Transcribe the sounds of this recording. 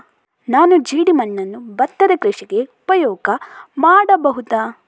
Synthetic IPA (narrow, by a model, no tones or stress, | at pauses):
naːnud͡ʒiːɽimɐnːɐnːubɐt̪ːɐd̪ɐkɾiʂɐɡeupɐjɔːɡɐmaːɽɐbɐɦut̪aː